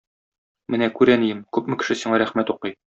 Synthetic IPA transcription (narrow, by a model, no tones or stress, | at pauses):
mɘnækʉɾænijɘmkʉpmɘ̆kɘ̥̆ʃɘsiɴɑɾæχmæt̪uqɤj